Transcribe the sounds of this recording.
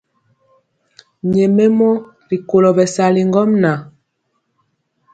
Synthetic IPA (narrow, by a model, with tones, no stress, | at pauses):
ɲɛ˨mɛ˦mɔ˦ | li˨ko˨lɔ˨bɛ˨sa˨li˨ŋɡɔ˦mna˨